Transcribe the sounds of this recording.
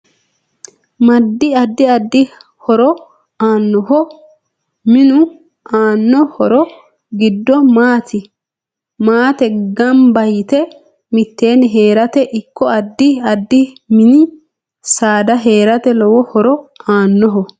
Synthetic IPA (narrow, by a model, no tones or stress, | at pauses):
mɐd̪ːɪɐd̪ːɪɐd̪ːɪ | hɔɾɔ | aːnːɔhɔ | mɪnʊ | aːnːɔhɔɾɔ | ɡɪd̪ːɔmaːt̪ʰɪ | maːt̪ɛɡɐmbɐjt̪ɛ | mɪt̪ːe̞ːnɦeːɾɐt̪ɛʔɪkːɔɐd̪ːɪɐd̪ːɪ | mɪnɪ | saːd̪ɐɦe̞ːɾɐt̪ɛlɔwɔhɔɾɔaːnːɔɦɔ